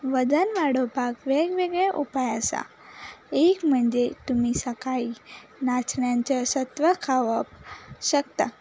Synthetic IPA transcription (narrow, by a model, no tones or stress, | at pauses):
ʋəd͡zənʋaɽopakʋeɡʋeɡɭeʔupajəsa̰ | ekm̤əɳd͡zet̪umiːsəkainat͡sɳjãɲt͡ɕasət̪ʋəkʰaʋəpɕəkt̪a̰